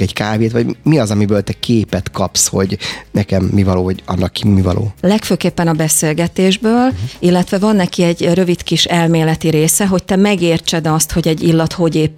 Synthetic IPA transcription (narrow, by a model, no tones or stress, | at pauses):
ɛckaːveːt̪ʋɒɟmiɒzɒmibøːlt̪ɛkʰeːpɛt̪kɒpsho̞̰ɟnɛkɛmːivɒloːvɔɟɒ̰nːɒkːimivɒ̰lo̰ːlɛkføːkeːpːɛnɒbɛseːlɡɛt̪eːʒbøːlilːɛt̪ʋɛvɒnːɛkiɛɟrø̞vit̪kiʃɛlmeːlɛt̪iɾeːsɛɦo̞c̚t̪ɛmɛɡeːrt͡ʃɛd̪ɒst̪ho̞ɟɛɟːilːɒt̪ho̞ɟeːp